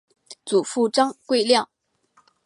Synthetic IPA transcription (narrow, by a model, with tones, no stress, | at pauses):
t͡su˨˩fu˥˧ʈ͡ʂɑ˥ŋkwe˥˧ɪljɑ˥˩ŋ